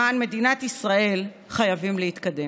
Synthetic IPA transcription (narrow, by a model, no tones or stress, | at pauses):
anme̞dinat̪isʁae̞l | χajavimlehit̪kade